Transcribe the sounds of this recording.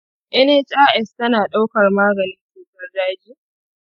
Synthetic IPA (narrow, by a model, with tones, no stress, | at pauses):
ʔɛ˦ne˦t͡ʃʼaː˦ʔɛ˨stɐ˦naː˨ɗa˦wkɐ˨rmaː˦ɡɐ˨nɪ˦nseː˨tɐ˦rdaː˦d͡ʒiː˦